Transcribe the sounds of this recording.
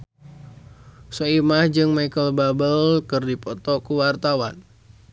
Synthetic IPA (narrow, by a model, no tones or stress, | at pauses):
soimahd͡ʒɨŋmaikəlbabəlkɨrdipɔt̪ɔkuwart̪awan